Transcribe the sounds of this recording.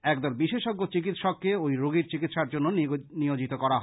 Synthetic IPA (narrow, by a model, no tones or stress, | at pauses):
ɛkd̪ɔɾbiʃeʃɔɡːot͡ɕik̬it̪ʃɔkːeojɾoɡiɾt͡ɕikit̪ʃaɾd͡ʑonːoniod͡ʑit̪okɔɾaɦ